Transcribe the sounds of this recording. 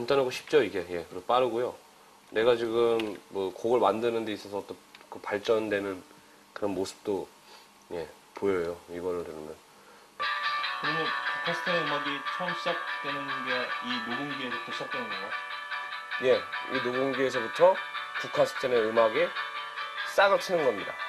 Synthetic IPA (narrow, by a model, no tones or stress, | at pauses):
kantʰanɦaɡoɕʰi̥p̚t͡ɕ͈oiɡe̞je̞kɯɾʌp͈aɾɯɡojo | ne̞ɡat͡ɕiɡɯmːʌkoɡɯɭmandɯnɯnde̞is͈ʌsʰʌt͈okɯpaɭt͡ɕ͈ʌndwe̞nɯn | kɯɾʌnmosʰɯ̥p̚t͈o | je̞ | pojʌjoiɡʌɾɯɭtɯɾɯmjʌn | kɯɾʌmjʌnpukʰasʰɯ̥tʰaneɯmaɡit͡ɕʰʌʌmɕʰid͡ʑak̚t͈we̞nɯnɡeinoɡuŋɡiesʰʌpoɕʰʌk̚t͈enɯnɡʌŋɡa | je̞inoɡɯŋɡies̬ʰʌbutʰʌpukʰasʰɯ̥tʰʌne̞ɯmaɡe | s͈aɡɯɭtʰɯnɯnɡʌmɲida̰